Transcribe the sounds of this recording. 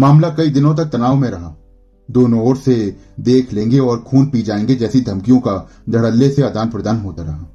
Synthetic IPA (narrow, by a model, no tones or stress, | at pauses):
maːmlakɐid̪ɪnõt̪̬ɐk̚t̪ɐnaːʋmẽɾɐɦaː | d̪oːnõoːɾse | d̪eːkʰlẽːŋɡeɔːɾkʰuːnpiːd͡ʒaːẽːŋɡed͡ʒɛːsid̪ʱɐmkijõka | d͡ʒʱɐɽəlːeseɐd̪aːnpɾɐd̪aːnɦoːt̪aɾɐɦaː